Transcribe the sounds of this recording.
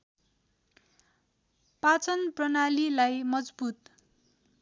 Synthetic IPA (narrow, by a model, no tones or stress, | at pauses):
pat͡sʌnprʌnalilajmʌd͡zbut̪